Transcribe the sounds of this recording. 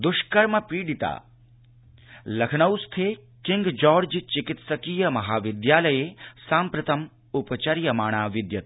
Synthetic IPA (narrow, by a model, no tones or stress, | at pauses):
d̪ʊʃkɐɾmɐpiːɖit̪a̰ː | lɐkʰnɐwst̪ʰeː | kɪŋɡd͡ʒɔːɾd͡ʒt͡ʃɪkɪt̪sɐkiːjɐmɐɦaːʋɪd̪jaːlɐjeːsãːmpɾɐt̪ʰɐm | ʊpɐt͡ʃɐɾjɐmaːɳ̃aːʋɪd̪jɐt̪̚